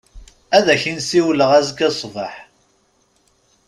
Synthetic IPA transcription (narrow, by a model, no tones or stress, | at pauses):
æðæçinsiwləʁæzɡæsˤvəħ